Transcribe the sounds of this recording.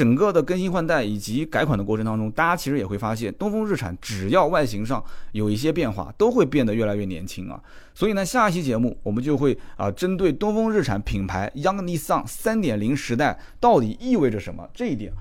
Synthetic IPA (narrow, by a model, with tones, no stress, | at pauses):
ʈ͡ʂə˨˩nkɤ˥˩d̪ə˩kə˥nɕi˥nxwa˥˧nt̪a˥˩ɪi˨˩t͡ɕi˧˥ka˧˥ɪkʰwa˨˩nd̪ə˦kɔ˥˩ə˧˥ŋt̪ɑ˥ŋʈ͡ʂʊ˥ŋt̪a˥˩t͡ɕja˥t͡ɕʰi˧˥ʂɻ̩˧˥jɛ˨˩xwe˥˩fa˥ɕjɛ˥˩nt̪ʊ˥ŋfɤ˥ŋɻ̩˥˩ʈ͡ʂʰa̰˨˩˦nʈ͡ʂɻ̩˨˩jɑ˥˧ʊwa˥˩ɪɕi˧˥ŋʂɑ˥˩ŋjo˨˩ʊi˥˩ɕ̬jɛ˥pjɛ˥˧nxwa̰˥˩t̪o˥ʊxwe˥˧ɪpjɛ˥˩nd̪ə˩ɥɛ˥˩la˧˥ɪɥɛ˥˩njɛ̰˧˥nt͡ɕʰi˥ŋɐ̰˨ | swɔ˧˥i˨˩na˥˧ɕja˥˧i˥ɕ̬jɛ˥t͡ɕjɛ˧˥mu˥˩wɔ˨˩mə˦nt͡ɕjo˥˧ʊxwe˥˩ɪə̰˧ʈ͡ʂə˥nt̪we˥˩ɪt̪ʊ˥ŋfɤ˥ŋɻ̩˥˩ʈ͡ʂʰa˨˩npʰi˨˩ŋpʰa˧˥ɪjɑ˥ŋni˥sɑ˥˩ŋsa˥nt̪jɛ˨˩nli˧˥ŋʂɻ̩˧˥t̪a˥˩ɪ | t̪ɑ˥˩ʊt̪i˨˩i˥˧we˥˩ɪʈ͡ʂə˩ʂə˧˥nmə̰˧ʈ͡ʂɤ˥˧i˥˩t̪jɛ̰˨˩˦